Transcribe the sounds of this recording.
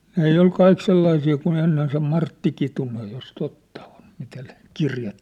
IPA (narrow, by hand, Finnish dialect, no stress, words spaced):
n ei ol kɑik selːɑisiː kun enːen se mɑrtːi kitunej jos totːɑ on mitæ ne kirjɑt